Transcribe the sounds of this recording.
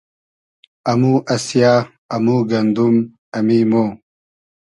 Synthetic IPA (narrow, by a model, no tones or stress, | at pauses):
ɐmuːʔɐsjaː | ɐmuːɡɐnd̪um | ɐmiːmoː